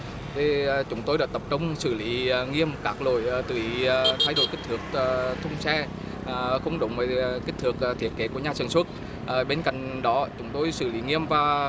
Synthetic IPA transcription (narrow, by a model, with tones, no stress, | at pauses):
t̪e˨˩˨t͡ɕʊ˨˦ŋ͡mt̪o˧jɗaː˧˥t̪ə˨˩p̚t͡ɕə˧wŋ͡msɨ˧˩li˨˦ŋi˧əmkaː˦˥k̚lo̰˧˩˨jt̪ɨ̰˧˩i˨˦t̪ʰaː˨˦jɗo̰˧˩jki˦˥k̚t̪ɨ˨˩ək̚ːt̪ʰʊ˧wŋ͡msɛ˧˨˩ | xə˧wŋ͡mɗʊ̰˨˦wŋ͡mvəː˨˩ki̟˦˥t̪ʰɨ˨˩ək̚ːt̪ʰi˨˩ət̚ke˨˦ku˧˩əɲaː˨˧sɨ˨˩ŋswt̚ | ʔɓe˧nka̰˧˨jŋ̟ɗɔ˨˦t͡ɕʊ˨˦ŋ͡mt̪o˧jsɨ̰˧˩li˨˦ŋi˧əmvaː˨˩